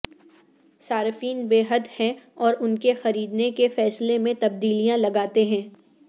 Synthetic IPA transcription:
saːɾfiːnbeːɦəd̪hɛ̃ɔːɾʊnkexɐɾiːd̪nekefɛːslemẽt̪ɐb̚d̪iːlijãlɐɡaːt̪eɦɛ̃ː

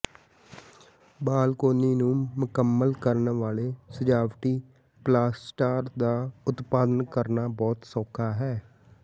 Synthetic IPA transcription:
baːlkoːniːnũːmʊkəmːəlkəɾnʋaːleːsəd͡ʒaːʋʈiː | plaːsʈaːɾd̪aːʊt̪paːd̪ənkəɾnaːbɔːt̪sɔːkʰːaːɦɛː

